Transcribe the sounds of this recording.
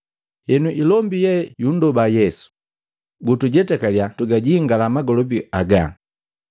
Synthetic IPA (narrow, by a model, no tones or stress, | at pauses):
hɛnuʔilɔmbijɛjun̩dɔbajɛsu̥ | ɡutuɟɛtɛkaljatuɡaɟiːŋɡalamaɡɔlɔbiaɡa